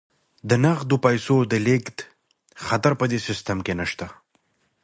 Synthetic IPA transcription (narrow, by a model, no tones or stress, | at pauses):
d̪ənaɣd̪opajsod̪əlekt̪ | xat̪aɾpəd̪esɪst̪əmkenaʃt̪a